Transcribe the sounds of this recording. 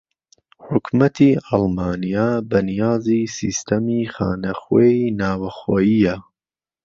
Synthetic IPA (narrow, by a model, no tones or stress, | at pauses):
ħʊkmɐt̪ʰiːɑlmɑːnijaːbɐnijɑːziːsiːst̪ʰɐmiːxa̰ːnɐxweːinaːwɐxoːjijɐ